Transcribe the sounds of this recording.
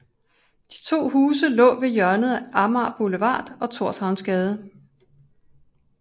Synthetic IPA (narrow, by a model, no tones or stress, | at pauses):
d̥i̥t͡sʰo̝̰ːhuːsəlɔ̰̽ːʋe̝jɶɐnəð̩ˠæʔɑ̈mɑ̈b̥oləʋɑ̰̈ːd̥ɒ̽t͡sʰo̝ɐ̰shɑ̈ʊnsɡ̥ɛːð̞ˠə